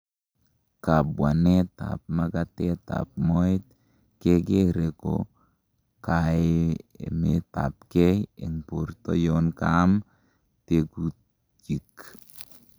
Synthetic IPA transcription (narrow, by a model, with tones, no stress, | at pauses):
ka˨bwa˨ne˦ta̰˨p̚ma˦katɛ˦ta̰˨p̚mɔ˦ɪ˦t̪̚ | ke˦ke˦ɾe˨ko̰˨ | kaeḛme˨ta̰˨pkɛ˦jḛ˨ŋpo˨ɾtɔ̰˦jɔnkam | tekut̚ | d͡ʒi˨k